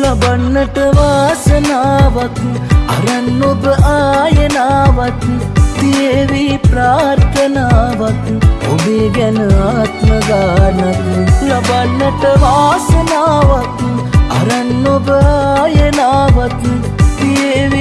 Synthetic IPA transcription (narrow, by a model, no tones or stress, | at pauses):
lɐbɐnːɐʈɐʋaːsɐnaːʋɐk̪ | ɐ̰ɾɐnːobɨʔaːjɐnaːʋɐt̪t̪ijeʋipɾaːɾt̪ɐnaːʋɐt̪ | obiɡɐnɨaːt̪mɐɡaːɾnɐt̪lɐbɐnːɐʈɐʋaːsɐnaːʋɐk̪u | ɐ̰ɾɐnːobajɐnaːʋɐt̪ɨ | t̪ieʋi